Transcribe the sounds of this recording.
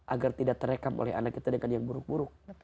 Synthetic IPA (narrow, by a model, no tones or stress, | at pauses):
ʔaɡart̪idaʔ̚t̪əɾekamʔo̰lɛha̰nakːit̪adəŋanjaŋbuɾʊk̚buɾʊk̚